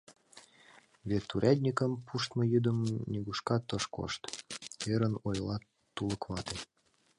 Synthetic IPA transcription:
βet̪ːuɾʲʔæd̪ʲnʲikəmpʰuʃt̪mə̆jyd̪əmnʲiɡuʃkɑt̪əʃko̰ʃt̪eɾənojlɑ | uləkβɑt̪e

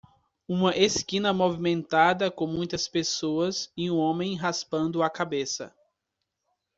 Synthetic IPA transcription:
ũmɐʔeskĩnɐmovimẽnt̪ad̪ɐkõmũj̃t̪ɐspesoɐzɪũõmẽj̃ɦaspɐ̃nd̪ʊakabesɐ̰

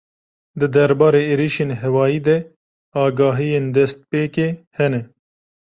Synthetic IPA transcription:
d̪ɨd̪ɛɾbɑːɾeːeːɾiʃeːnɦɛwɑːjiːd̪ɛ | ɑːɡɑːɦijeːnd̪ɛst̪̚peːkehɛnɛ

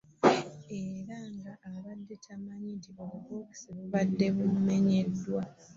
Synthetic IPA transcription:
eɾaŋɡaʔːβadːe̞tʰamaɲitioβukoki̥seβuβadːe̞βumme̞ɲe̞dːwa

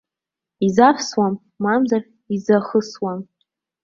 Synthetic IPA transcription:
izafʰswamːamzar | izaχəswam

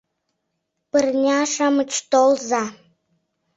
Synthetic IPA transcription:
pərnʲɑʃɑmət͡ɕt̪olzɑ

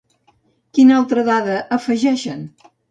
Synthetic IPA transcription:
kinalˠt̪ɾəðaðəʔəfəʒɛʃən

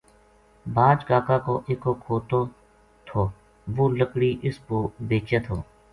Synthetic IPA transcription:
baːd͡ʒɡaːkaːkoːʔeːkoːkʰoːt̪õː | t̪ʰoː | ʋoːləkɽiːʔɪspoːbeːt͡ʃeːt̪ʰoː

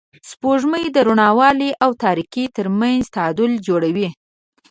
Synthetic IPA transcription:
spoʐməjd̪əɾuɳɑwɑliʔawt̪ɑɾikit̪əɾmanzt̪ad̪ʊld͡ʒoɽawi

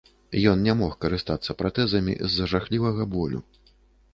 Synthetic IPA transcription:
jɔnnʲamɔxkɐɾɨst̪at̪sːɐpɾat̪ɛzɐmʲḭzːɐʐaxlʲivɐɣɐbɔlʲṵ

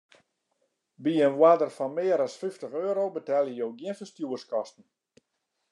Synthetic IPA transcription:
biənʋwadərfɔnmɪːəɾɔsfyftəχøːɾowbətɛlˠjəjowɡjiənfəstjuərskɔstn̩

